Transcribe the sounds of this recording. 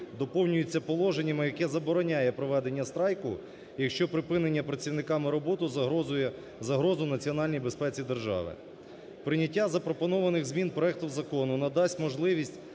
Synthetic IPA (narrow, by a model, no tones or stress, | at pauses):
d̪ɔpɔwnʲʊjʊt͡sʲːɐpɔlˠɔʒenʲːɐmɪjɐkɛzɐbɔɾɔnʲajɛpɾɔʋɛd̪enʲːɐst̪ɾɑjkʊ | jɐkʃt͡ʃɔpɾɪpɪnenʲːɐpɾɐt͡sʲiwnɪkɑmɪɾɔbɔt̪ʊ | zɐɦɾɔzʊnɐt͡sʲiɔnɑlʲnʲijbespɛt͡sʲid̪erʒɑ̰ʋɪ̰ | pɾɪnʲɐtʲːazɐpɾɔpɔnɔʋɐnɪɣzmʲinpɾɔɛk̚t̪ʊwzɐkɔnʊnɐd̪ɑsʲtʲmɔʒlˠɪʋʲisʲtʲ